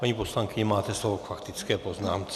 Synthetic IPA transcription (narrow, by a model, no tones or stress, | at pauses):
paɲiposlaŋkɪɲɛmaːt̪ɛslovokfakt̪ɪt͡skɛːpoznaːmt͡s